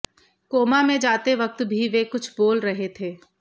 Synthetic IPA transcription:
koːmamẽd͡ʒaːt̪eʋɐk̚t̪bʱiʋekʊt͡ʃʰboːlɾɐɦet̪ʰeː

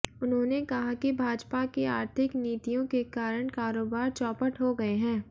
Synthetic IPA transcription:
ʊnɦõːnekɐɦakibʱaːd͡ʒpakeaːɾt̪ʰɪkniːt̪ijõkekaːɾəɽ̃kaːɾoːbaːɾt͡ʃɔːpəʈɦoɡɐeɦɛ̃ː

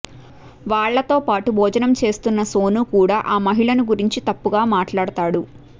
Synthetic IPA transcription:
ʋaːɭːɐt̪o̞ːpaːʈubʱɔːd͡ʒɐnɐmt͡ʃe̞ːst̪unːɐso̞ːnukuːɽaːʔaːmɐɦiɭɐnuɡuɾiɲt͡ʃit̪ɐpːuɡaːmaːʈɭaːɽɐt̪aːɽu

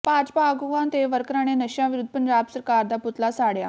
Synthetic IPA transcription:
paːd͡ʑpaɡuʋãnt̪eʋəɾkɾaɽ̃enəɕjãʋiɾud̪ʱːpənɾaːbsəɾkaːɾd̪aːput̪lasaːɽja̰

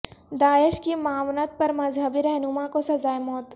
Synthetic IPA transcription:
d̪aːɪʃkimaːʋnət̪̚pɐɾmɐzɦəbiɾɛɦnʊmãkosɐzaːemɔːt̪

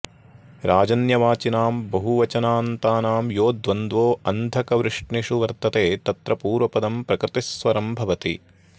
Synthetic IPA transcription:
ɾʔaːd͡ʒɐnjɐʋaːt͡ʃinaːmbɐɦuʋɐt͡ʃɐnaːnt̪aːnaːmjoːd̪ʋɐnd̪ʋoːɐnd̪ʱɐkɐʋɾɪʂʈniʂuʋɐɾt̪ɐt̪eːt̪ɐt̪ɾɐpuːɾʋɐpɐd̪ɐmpɾɐkɾɪt̪isʋɐɾɐmbʱɐʋɐt̪ḭ

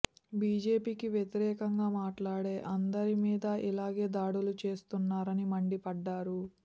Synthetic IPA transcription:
biːd͡ʒe̞ːpiːkiʋjet̪iɾɛːkɐŋɡaːmaːʈlaːɽe̞ːʔɐnd̪ɐɾimiːd̪ɐʔilaːɡe̞ːd̪aːɽulut͡ʃe̞ːst̪unːaːɾɐnimɐɳɖipɐɖːaːɾu

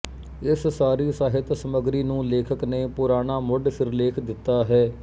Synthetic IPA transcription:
ɪssaːɾiːsaːɦɪt̪səməɡɾiːnũːleːkʰəkneːpʊɾaːnaːmʊɖpʰɪɾleːkʰd̪ɪt̪ːaːɦɛː

